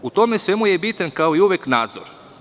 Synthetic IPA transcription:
ut̪o̞mesʋe̞mujebit̪ankao̞iuʋeknaːd̪zo̰ɾ

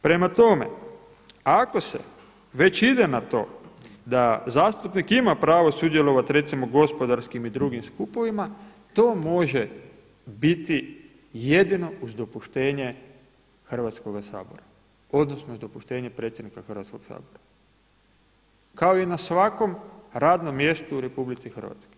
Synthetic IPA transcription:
pɾe̞mat̪o̞me̞̰ | ako̞se̞̰ | ʋe̞t͡ɕid̪enat̪o̞̰ːd̪azaːst̪upnikimapɾaːʋo̞sud̪jelo̞ʋat̪ɾe̞t̪simo̞ɡo̞spo̞d̪aɾskimid̪ɾuɡimskupo̞ʋima | t̪o̞ːmo̞ʒe | bit̪i | jed̪ino̞uzd̪o̞puʃt̪e̞ːɲe | xr̩ʋat̪skoɡasa̰ːboɾa | o̞d̪nosnouzd̪opuʃt̪e̞ːɲepɾet̪sʲje̞d̪nikaxr̩ʋat̪skoɡ̥sa̰ːboɾa | kao̞inasʋako̞mɾaːd̪no̞mːje̞st̪uːɾe̞publit̪sixr̩ʋa̰t̪sko

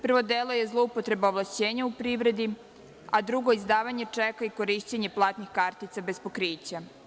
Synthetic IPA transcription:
pr̩ʋo̞d̪eːlˠo̞je̞zlˠo̞upo̞t̪ɾe̞baoʋlˠaʃt͡ɕeːɲaupɾiʋɾe̞d̪i | ad̪ɾuɡo̞izd̪aːʋaɲe̞t͡ʂɛkaiko̞ɾiːʃt͡ɕeɲeplˠaːt̪nixkaːɾt̪it̪sabe̞spo̞kɾiːt͡ɕa

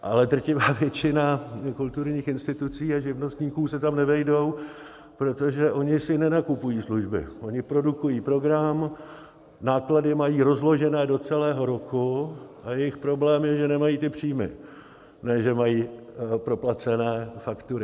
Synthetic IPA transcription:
ʔalɛd̪r̩cɪvaːvjɛt͡ʃɪnakult̪uɾɲiːxɪnst̪ɪt̪ut͡siːaʒɪvno̞st̪ɲiːkuːsɛt̪amnɛvɛjdo̞w | pɾo̞t̪o̞ʒɛʔo̞ɲɪsɪnɛnakupujiːsluʒbɪ̰ʔo̞ɲɪpɾo̞dukujiːpɾo̞ɡɾam | naːkladɪmajiːɾo̞zlo̞ʒɛnɛːdo̞t͡sɛlɛːɦo̞ɾo̞kuʔajɛjɪxpɾo̞blɛːmjɛʒɛnɛmajiːt̪ɪpr̝̥iːmɪ̰ | nɛːʒɛmajiː | pɾo̞plat͡sɛnɛːfakt̪uɾɪ

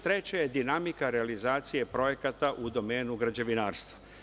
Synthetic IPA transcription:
t̪ɾe̞t͡ɕajed̪inamikaɾealizaːt̪sije̞pɾo̞je̞kat̪aʔud̪o̞me̞ːnuɡɾad͡ʑe̞ʋinaːɾst̪ʋḁ

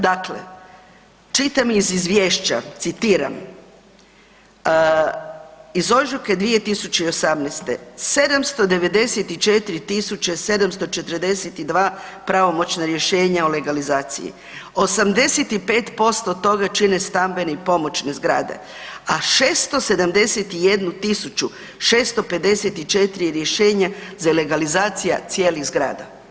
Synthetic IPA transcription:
d̪aklḛ | t͡ʃit̪amizizʋʲjeːʃt͡ɕa̰t̪sit̪iːɾa̰m | izo̞ʒuked̪ʋije̞t̪isut͡ɕeio̞samnest̪e̞̰se̞d̪amst̪o̞d̪e̞ʋe̞d̪e̞set̪it͡ʃet̪iɾit̪isut͡ɕese̞d̪amst̪o̞t͡ʃe̞t̪əɾd̪e̞set̪id̪ʋaːpɾaʋo̞mo̞t͡ɕnaɾje̞ʃeːɲaole̞ɡalizaːt̪sḭjḭ | o̞samd̪e̞set̪ipe̞ːt̪po̞st̪o̞t̪o̞ɡat͡ʃine̞st̪ambe̞neipo̞mo̞t͡ɕne̞zɡɾa̰ːd̪e̞̰ | aʃeːst̪o̞se̞d̪amd̪e̞set̪ijed̪nut̪isut͡ʃu | ʃeːst̪o̞pe̞d̪e̞set̪it͡ʃe̞t̪ɾijeɾje̞ʃeːɲazale̞ɡalizaːt̪sijat̪sijeːliɣzɡɾa̰ːd̪a̰

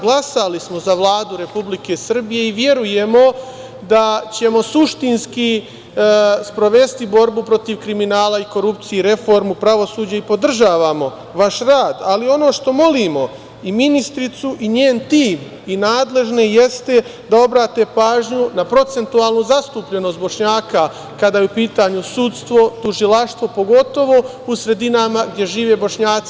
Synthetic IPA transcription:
ɡlˠasalismo̞zaʋlˠaːd̪uɾe̞publike̞sr̩bije̞iʋje̞ɾuje̞mo̞ | d̪at͡ɕe̞mo̞suʃt̪inski | spɾo̞ʋe̞st̪ibo̞ɾbupɾo̞t̪iʋkɾiminaːlaiko̞ɾup̚t̪sijeɾe̞fo̞ɾmupɾaʋo̞suːd͡ʑaipo̞d̪r̩ʒaːʋamo̞ | ʋaʃɾaːd̪alio̞no̞ːʃt̪o̞mo̞liːmo̞ | iminist̪ɾit̪suʔiɲeːnt̪iːm | inaːd̪le̞ʒneje̞st̪e̞ | d̪ao̞bɾaːt̪e̞paːʒɲunapɾo̞t̪e̞nt̪uaːlˠnuzast̪uːpʎe̞no̞st̪bo̞ʃɲaːka | kad̪ajeupiːt̪aːɲusut̪st̪ʋo̞t̪uʒilaʃt̪ʋo̞po̞ɡo̞t̪o̞ʋo̞ | usɾe̞d̪inamaɡ̚d̪je̞ʒiːʋe̞ːbo̞ʃɲaːt̪si

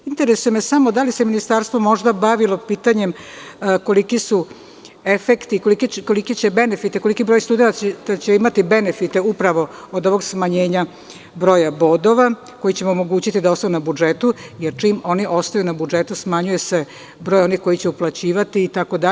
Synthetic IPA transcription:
int̪eɾesuje̞mesamo̞d̪alise̞minist̪aɾst̪ʋo̞mo̞ʒd̪abaʋilo̞piːt̪aɲe̞mko̞likisu | e̞fekt̪ikolikiko̞likit͡ɕe̞be̞nefit̪eko̞likibɾo̞jst̪ud̪enat̪t̪at͡ɕeimat̪ibe̞nefit̪e̞upɾaʋo̞od̪o̞ʋo̞ɡsmaɲeːɲa | bɾo̞ːjabo̞d̪o̞ʋa | ko̞jit͡ɕe̞moomoɡuːt͡ɕit̪id̪ao̞st̪ajunabud͡ʒet̪ujeɾt͡ʂiːmo̞niʔo̞st̪ajunabud͡ʒe̞t̪usmaɲuje̞se̞ | bɾo̞ːjo̞nixko̞jit͡ɕe̞uplˠat͡ɕiːʋat̪iːt̪ako̞d̪a

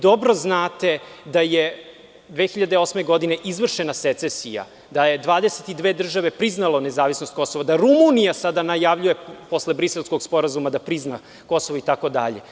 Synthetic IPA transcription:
d̪o̞bɾo̞znaːt̪e̞d̪aje | d̪ʋexiʎad̪eo̞smeɡo̞d̪ine̞ʔizʋr̩ʃenaset̪sesija̰ | d̪ajed̪ʋaːd̪eset̪id̪ʋeːd̪r̩ʒaʋe̞pɾiznalone̞zaːʋisnost̪̚ko̞so̞ʋad̪aɾumunijasad̪anajaʋʎuje̞po̞sle̞bɾise̞lˠsko̞ɡspo̞ɾazumad̪apɾizna | ko̞soʋoit̪ako̞d̪a̰ʎe̞̰

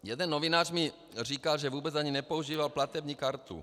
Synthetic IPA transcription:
jɛd̪ɛnːovɪnaːrmɪ | r̝iːkalʒɛvuːbɛt͡sʔaɲinɛpouʒiːvalplat̪ɛbɲiːkaɾt̪ṵ

